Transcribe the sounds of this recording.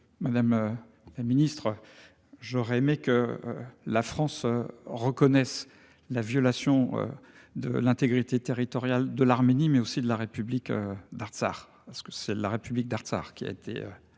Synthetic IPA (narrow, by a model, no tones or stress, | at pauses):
mad̪amø | laminist̪χ | ʒɔʁɛemekə̰ | lafχɑ̃søʁəkɔnɛs | lavjɔlasjɔ̃ø̰ | d̪ə̰lɛ̃t̪eɡʁit̪et̪eʁit̪ɔʁjald̪əlaʁmenimɛosid̪əlaʁepyblikød̪aʁsa̰ʁpaʁsə̥kə̥sɛlaʁepyblik̚d̪aʁt̪sa̰ʁkʲia̰et̪ʰḛø̰